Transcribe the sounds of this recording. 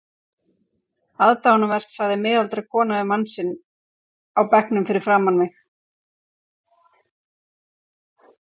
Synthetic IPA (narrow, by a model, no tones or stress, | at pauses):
aðt̪aɔnavɛr̥k̪saðɪmɪːðalt̪ɾakʰɔːnavɪmansɪnː | awpɛhknʏmfɪɾɪɾ̥fɾaːmanmɪx